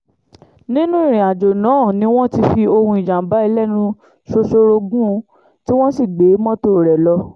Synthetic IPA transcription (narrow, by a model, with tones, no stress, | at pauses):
nĩ˦nũ˦i˦˨ɾ̃ĩ˨a˨d͡ʒo˨nã˨˦˨nĩ˧˦w̃ɔ̃˦ti˧fi˧o˧hũ˧i˨d͡ʒã˨˦ba˨˦i˧lɛ˦˨nũ˧ | ʃo˧so˧ɾo˧ɡũ˦˧ | ti˦w̃ɔ̃˦si˦˨ɡ͡be˨˦mɔ̃˦to˦˨ɾɛ˨lɔ˧